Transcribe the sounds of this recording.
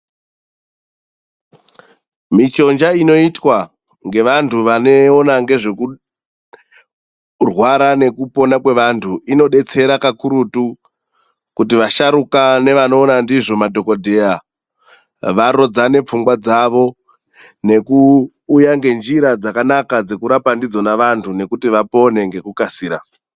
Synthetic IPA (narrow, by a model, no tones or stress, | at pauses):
mit͡ʃo̞nd͡ʒaino̞itwa | ŋɡe̞ʋantʰuʋane̞onaŋɡe̞ʐe̞ku | rwaɾane̞kupo̞nakwe̞ʋantʰuino̞ɗe̞t͡se̞ɾakakuɾutu | kutiʋaʃaɾukane̞ʋano̞ːnandiʐo̞madʱo̞ko̞dʱe̞a | ʋaɾo̞d͡zane̞p͡fuŋɡwad͡zaʋo̞ | ne̞kuː | jaŋɡe̞nd͡ʒiɾad͡zakanakad͡ze̞kuɾapandid͡zo̞naʋantʰune̞kutiʋapo̞ne̞ŋɡe̞kukasiːɾa